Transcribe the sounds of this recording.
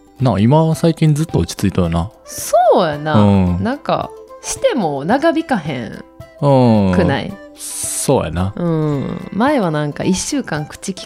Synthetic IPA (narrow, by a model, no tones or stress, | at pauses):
nãimasaikʲĩnd͡zɨt̪ːo̞ot͡ɕi̥t͡sɨit̪ojonasoːjanaɯ̃nãŋka̰ɕi̥t̪e̞monaɡabʲikaɦḛ̃ŋɯ̃ːkɯ̟na̰ḭso̞ːja̰naɯ̟̃ːmae̞βanãŋka̰ʔiɕːɨːkãŋkɯ̟̥t͡ɕikʲi̥